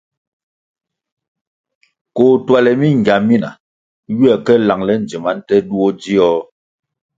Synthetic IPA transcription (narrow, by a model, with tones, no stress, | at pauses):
koː˨twa˨lɛ˨mi˦ŋ˨ɡja˨mi˦na̰˨ | ɥi˦ɛ˨kɛ˦la˨ŋlɛ˦n˨d͡ʒi˨ma˨˦n˦tɛ˦du˦o˦d͡ʒi˦ɔ˦